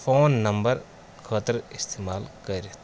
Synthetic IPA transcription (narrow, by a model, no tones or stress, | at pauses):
fʰoːnːɐmbəɾ | kʰɐt̪əɾɪst̪eːmaːlkɐɾit̪